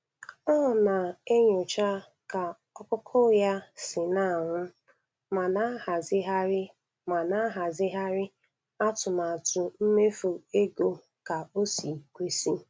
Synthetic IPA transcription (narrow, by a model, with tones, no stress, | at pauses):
ɔ˦˨na˨e˦ɲo˨t͡ʃa˦ | ka˨ | ɔ˦kʊ˦kʰʊ˦ja˦sɪ˨na˦˨ŋʷʊ˦ | ma˨na˦ha˨zɪ˦ɦa˦ɾɪ˦ | ma˨na˦a˦ɦa˨zɪ˦ɦa˦ɾɪ˦ | a˦tʊ˨ma˨tʊ˨m̩˦me˦fu˨e˦ɡo˨ | ka˨o˦si˨kʷe˦si˦